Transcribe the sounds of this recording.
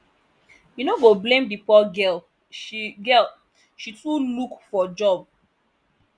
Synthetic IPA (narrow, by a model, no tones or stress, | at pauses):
junoɡoblẽmdipɔɡɛl | ɡɛl | ʃitulukfɔd͡ʒɔb̚